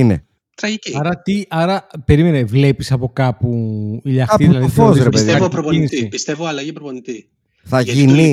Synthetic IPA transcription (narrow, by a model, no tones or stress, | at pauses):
ine | t̪ɾɐʝiciɐɾɐt̪iɐɾɐpe̞ɾime̞nevle̞pisɐpo̞kɐpuiʎɐɐiðilɐðifozɾepeðeɐopɾopoinisipist̪evoɐlɐʝipɾoponit̪i | θɐʝini